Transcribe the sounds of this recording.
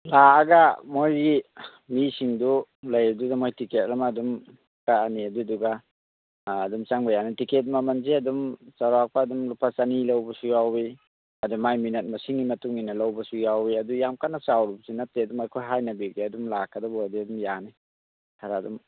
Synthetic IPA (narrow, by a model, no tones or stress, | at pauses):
laːɡamojɡi | misiŋdulɐjɐdudamojtiket̚lamɐdum | kaaniɐduduɡaː | dumt͡ʃaŋbajanitiket̬̚mamɐnzeɐdumsawɾak̚paːdumlupʰasanilɐwbɐsujawbi | ɐdumajminet̚mɐsiŋɡimɐtuŋinɐlɐwbɐsujawbiɐdujamkanasawɾub̚sinɐt̚teɐdumajkʰojɦajnɐbiɡiɐdumlakʰɐdabɔdiɐdumjani | kʰaɾadum